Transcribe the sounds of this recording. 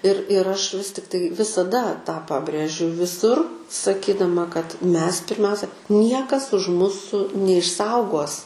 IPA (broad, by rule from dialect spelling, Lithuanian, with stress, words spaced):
ɪr ɪr ˈɐʃ ˈʋʲɪs tʲɪktɐɪ ʋʲɪsɐˈdɐ tɑː ˈpɑːbʲrʲeːʒʲʊ ʋʲɪˈsʊr sɐˈkʲiːdɐmɐ kɐt ˈmʲɛs pʲɪrʲˈmʲɛʊsʲɛ ˈnʲiɛkɐs ʊʃ ˈmʊsʊ nʲɛɪʃˈsɐʊɡoːs